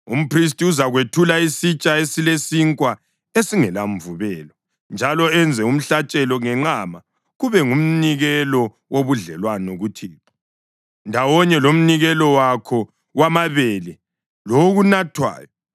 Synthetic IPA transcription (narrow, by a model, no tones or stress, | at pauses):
um̩pʰris̬tʼiuzaɣwetʰulaisit͡ʃʼaesilesiŋkʼwa | esiŋɛlaɱvuβɛːlɔ | nd͡ʒʱalɔɛnd͡zʱɛum̩ɬat͡ʃʼɛlɔŋɛŋ͡ǃama | ɣuβɛŋum̩niɣɛlɔ | woβuɮɛlwanoɣutʰiːǁḁ | ndʱawɔɲɛlom̩niɣɛlɔwakʰɔ | ɣwamaβelɛ | loɣunatʰwa̰ːjɔ